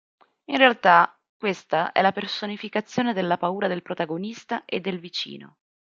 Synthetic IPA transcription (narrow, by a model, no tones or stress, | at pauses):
inrealt̪a | kwest̪aʔɛ̰lapersonifikat̪sːjoːned̪elːapauːɾad̪elpɾot̪aɡonist̪aʔed̪ːelvit͡ʃḭːno̰